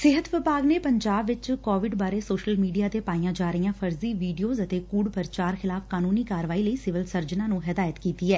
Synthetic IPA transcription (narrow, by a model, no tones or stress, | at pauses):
sɪɦət̪ʋɪpaːɡneːpəɲd͡ʒaːbʋɪt͡ʃkoːʋɪɖbaːɾeːsoːʃəlmiːɖijaːt̪eːpaːijãːd͡ʒaːɾəijãːpʰəɾziːʋiːɖijoːzət̪eːkuːɖpəɾt͡ʃaːɾxʰɪlaːfkaːnuːniːkaːɾʋaːiːləiːsɪʋəlsəɾd͡ʒnãːnũːɦɪd̪aːjət̪kiːt̪iːɛː